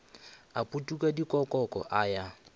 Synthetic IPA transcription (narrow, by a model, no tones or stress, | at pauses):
apʼutʼukʼadikʼɔkʼɔkʼɔ̰ʔaja